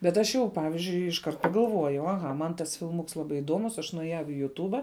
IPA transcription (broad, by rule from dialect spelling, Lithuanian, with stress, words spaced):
bʲɛt ˈɐʃ jɛʊ ˈpɑːʋʲɪzʲd͡ʒʲʊɪ ɪʃˈkɐrt pɐɡɐlˠˈʋuɔjɛʊ ɐˈɣɐ ˈmɐn tɐs fʲɪlˠˈmʊks ˈlˠɑːˌbɐɪ ɪˈduɔmʊs ɐʃ nʊɛˈjɛʊ ɪ jʊˈtuːbɐ